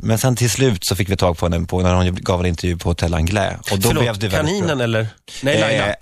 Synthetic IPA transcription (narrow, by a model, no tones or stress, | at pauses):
mɛnsɛnt̪ʰɪlslʉ̟ːt̪sɔfɪkːvɪt̪ʰɑːɡ̚pʰɔhɛnːəpʰɔnæɾhʊnɡɑːvɛnɪnt̪ɛɾjʉ̟ːpʰɔhʊt̪ʰɛlːa̰nɡlɛ̰ːɔd̪ɔllɛvd̪ɛvɛniːənɛlːəɾ | nɛaa